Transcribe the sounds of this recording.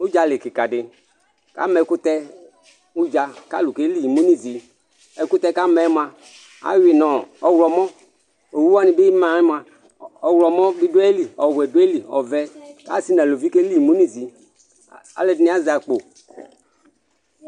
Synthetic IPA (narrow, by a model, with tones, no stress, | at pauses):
u˦d͡ʒa˨lɪ˨kɪ˨ka˨dɪ˨ | ka̰˦mɛ˨˦kʊ˦t̪ɛ˦ | u˦d͡ʒa˨ka̰˦˨lu˨ke˦li˦˨mu˦ni˦zi˨ | ɛ˨kʊ˦t̪ɛ˦ka˦mɛ˨˦m˦a˨ | a̰˦wi˨nɔ˨ɔ˨wlɔ˨mɔ˦ | o˨wu˦wa˦nɪ˨bɪ˦mã˨ɾi˦m˦˨a˨ | ɔ˨wlɔ˨mɔ̃˦bi˦do˦ɛ˦li˨ɔ˨wɛ˨do˦ɛ˦li˨ɔ̰˨vɛ˦ka̰˦˨si˦nã˨lo˨vi˦ke˦li˦˨mu˦ni˦˨zi˨ | a̰˨le˨dni˦a˦za˨k͡po˨